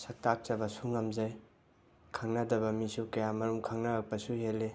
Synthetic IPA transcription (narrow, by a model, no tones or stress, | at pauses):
sɐk̚tak̚t͡ʃɐbɐsuŋɐmzaj | kʰaŋnɐdɐbɐmisukɐjamɐɾumkʰaŋnɐɾak̚pɐsuhelːe